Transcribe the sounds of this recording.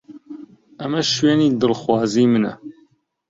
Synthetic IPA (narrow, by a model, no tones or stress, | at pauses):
ɐmɐʃweːniːd̪ɨlxwɑːziːmɨnɐ̰